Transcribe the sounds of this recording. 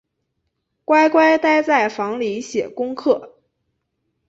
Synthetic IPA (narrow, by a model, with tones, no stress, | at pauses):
kwa˥ɪkwa˥ɪt̪a˥˧ɪt͡sa˥˩ɪfɑ˧˥ŋli˧˥ɕjɛ˨˩kʊ˥ŋkʰɤ˥˩